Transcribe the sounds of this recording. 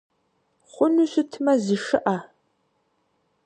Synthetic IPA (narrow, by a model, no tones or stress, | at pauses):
χʷʊnuɕɪtʰmɐziʂɨʔa